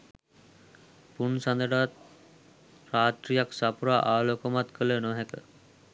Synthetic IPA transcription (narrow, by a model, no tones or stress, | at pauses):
punsand̪əɖat̪̚ | raːt̪ɾijaksapuɾaʔaːloːkəmat̪kʰələnoɦɛkə